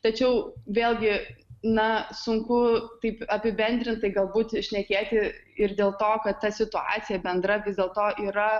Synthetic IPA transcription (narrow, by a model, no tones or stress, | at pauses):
t̪ɐt͡ʃʲɛʊʋʲeːlʲˠɡʲɪnɐsʊŋkʊt̪ɐɪpɐpʲɪbʲɛnʲd̪ʲɾʲɪnt̪t̪ɐɪɡɐlˠbuːt̪ʃʲnʲɛkʲeːt̪ʲɪ | ɪrd̪ʲeːlˠt̪oːkɐt̪t̪ːɐsʲɪt̪ʊɑ̰ːt͡ssʲɪjɛbʲɛnd̪ɾɐʋʲɪzd̪ʲeːlˠt̪oːʔiːɾɐ